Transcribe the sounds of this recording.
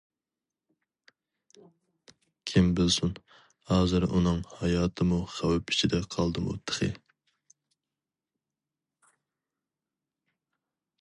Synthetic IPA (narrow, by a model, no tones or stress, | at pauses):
kʲʰimbɪlsun | hɑːzɨɾunɨŋhɑjɑːt̪ʰɨmuχæwɪpʰi̥t͡ʃʰid̪ɛqʰɑlˠd̪ɨmṵt̪ʰːə̥χɨ̰